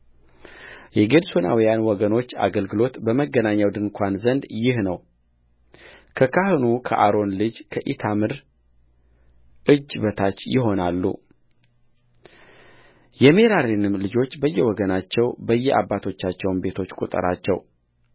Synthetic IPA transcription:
jɛɡed̪sona̰wijanwɔɡəno̞t͡ʃːa̰ɡəlɡɨlo̞t̪bəməɡːənaɲːawd̪ɨnkʰʷanzənd̪jɪhnəw | kʰəkʰahɨnukʰə̰ʔaɾo̞nlɨd͡ʒkʰəʔit̪ʰamɨɾ | ʔɨd͡ʒːbət̪ʰat͡ʃːjɪɦo̞nalːṵ | jɛme̞ɾaɾinɨmlɨd͡ʒo̞t͡ʃːbəjːɛwɔɡənat͡ʃːɛwbəjːɛʔa̰bːat̪ʰo̞t͡ʃːat͡ʃːɛwnbe̞t̪ʰo̞t͡ʃːkʼṵt̪ʼə̰ɾa̰t͡ʃːɛ̰w

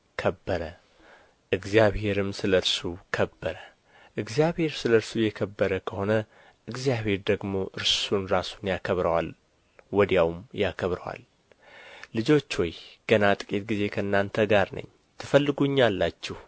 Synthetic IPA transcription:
kʰəbːəɾə | ʔɨɡzijaβhe̞ɾɨmsɨləɾsukʰəbːəɾə | ʔɨɡzijaβhe̞ɾsɨləɾsujɛkʰəbːəɾəkʰəho̞nə | ʔɨɡzjaβhe̞ɾd̪əɡmo̞ʔɨɾsunɾasunjakʰəβɾəwa̰l | wɔd̪jawmjakʰəβɾə̰wa̰lː | ɨd͡ʒo̞t͡ʃːwɔjɡ̥ənat̪ʼɨkʼit̪̚ɡize̞kʰəɨnːant̪ʰəɡaɾnə̰ɲː | t̪ʰɨfəlːɨɡuɲːalːat͡ʃːɛh

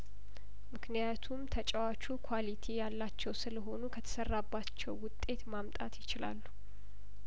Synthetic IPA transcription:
mɨknijat̪ʰumt̪ʰət͡ʃʼəwat͡ʃʰukʰwalit̪ʰijalːat͡ʃːɛwsɨləɦo̞nukʰət̪ʰə̥sərːabːat͡ʃːɛwːʊt̪ʼːe̞t̪mamt̪ʼat̪jɪt͡ʃɪla̰lːu

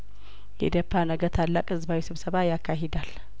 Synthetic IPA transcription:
jɛ̰d̪əpʰːanəɡət̪ʰalːakʼɨzbawisɨβsəβajakʰːaɦed̪al

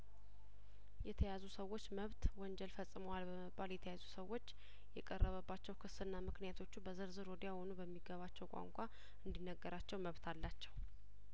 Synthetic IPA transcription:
jɛt̪ʰəjazusəwːo̞t͡ʃːməβt̪wɔɲd͡ʒɛlfəsʼɨməwalbəməbːaljɛt̪ʰəjazusəwːot͡ʃː | jɛkʼərːəβəbːat͡ʃːɛwkʰɨsɨnːamɨknijat̪ʰo̞t͡ʃːubəzɨɾzɨɾod̪ijahonubəmːiɡəβat͡ʃːɛwkʷʼa̰ŋkʷʼa | ɨnd̪inːəɡːəɾat͡ʃːɛwməβt̪ʰalːat͡ʃːɛw

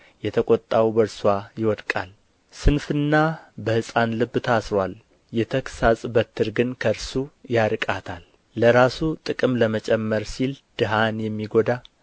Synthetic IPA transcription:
jɛt̪ʰəkʼot̪ʼːawbəɾswajɪwɔd̪kʼal | sɨnfɨnːabəhɨsʼanlɨbːt̪ʰasɾwal | jɛt̪ʰəksasʼbət̪ʰːɨɾɡɨnkʰəɾsujaɾɨkʼat̪ʰalː | əɾasut̪ʼɨkʼɨmləmət͡ʃʼɛmːəɾsild̪̥ɨɦanjɛmːiɡo̞d̪a

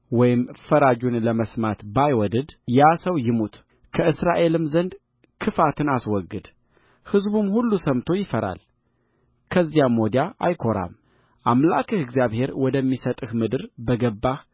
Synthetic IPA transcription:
wɔjɪmfəɾad͡ʒunləməsmat̪bajwɔd̪ɨd̪jasəwjɪmut̪ | kʰəɨsɾaʔe̞lɨmzənd̪ | kʰɨfat̪ʰɨnaswɔɡːɨd̪ | hɨzbumhulːusəmt̪ʰo̞jɪfəɾa̰l | kʰəzːjamod̪jaʔa̰jkʰo̞ɾa̰m | ʔamlakʰɨhɨɡzjaβhe̞ɾwɔd̪əmːisət̪ʼɨhmɨd̪ɨɾbəɡəbːa

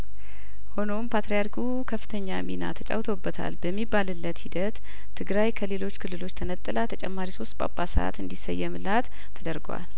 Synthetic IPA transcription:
ho̞no̞mpʰat̪ɾijaɾkʰu | kʰəfːɨ̥t̪ʰəɲːamina̰t̪ʰət͡ʃʼa̰wt̪ʰobːət̪ʰa̰lbəmːibːalɨlːət̪hid̪ət̪ʰː | ɨɡɾajkʰəle̞lo̞t͡ʃːkʰɨlːɨlo̞t͡ʃːt̪ʰənət̪ʼːɨlat̪ʰət͡ʃʼɛmːaɾiso̞st̪̚ʼpʼa̰pʼasəa̰t̪ɨnd̪isəjːɛmɨlat̪ʰːəd̪əɾɡwa̰l

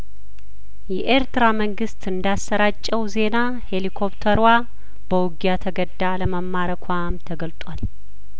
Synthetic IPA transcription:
jɛʔeɾt̪ɨɾaməŋɡɨst̪ɨnd̪asːəɾat͡ʃʼːɛwze̞na | he̞likʰo̞pt̪ʰəɾwa | b̥əwɡjat̪ʰəɡəd̪ːaləməmːaɾəkʷʰamt̪ʰəɡəlt̪ʼwal

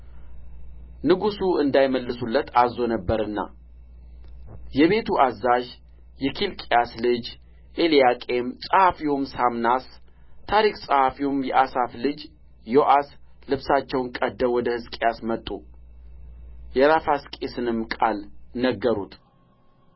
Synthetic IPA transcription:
nɨɡusuɨnd̪ajməlːɨsulːət̪ʰazːo̞nəbːəɾɨnːa̰ | jɛβe̞t̪ʰuʔazːaʒ | jɛkʰilkʼejaslɨd͡ʒ | ʔelijakʼe̞msʼəhafiwomsamnas | t̪ʰaɾiksʼəhafiwumjɛʔasaflɨd͡ʒ | joʔas | lɨβsat͡ʃːɛwnkʼəd̪ːəwɔd̪əhɨzkʼejasmət̪ʼːu | jɛɾafaskʼesɨnɨmkʼalnəɡːəɾut̪

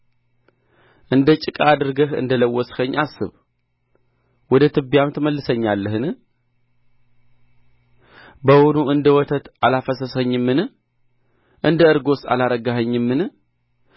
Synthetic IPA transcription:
ʔɨnd̪ət͡ʃʼɪkʼaad̪ɨɾɡəhɨ̰nd̪ələwːɔshəɲːasːɨ̰β | wɔd̪ət̪ʰɨbjamt̪ʰəməlːɨsəɲːalːəhɨnɨ | bəwonuɨnd̪əwɔt̪ʰət̪alafəsəsəɲːɨmːɨn | ʔɨnd̪əɨɾɡo̞sa̰laɾəɡəɦəɲːɨmːɨn

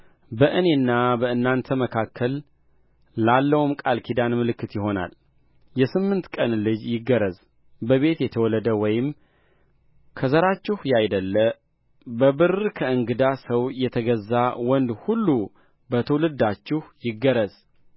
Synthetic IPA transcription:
bəʔɨne̞nːabəɨnːant̪ʰəməkʰakːəlː | alːəwumkʼalkʰid̪anmɨlɨkːɨt̪jɪɦo̞na̰l | jɛsɨmːɨnt̪kʼənlɨd͡ʒjɪɡːəɾəz | bəβe̞t̪jɛt̪ʰəwɔləd̪əwɔjɪm | kʰəzəɾat͡ʃːɪhjajd̪əlːə | bəbɨrkʰəɨŋɡɨd̪asəwjɛt̪ʰəɡəzːawɔnd̪hulːu | bət̪ʰəwlɨd̪at͡ʃːɪhjɪɡːəɾəz

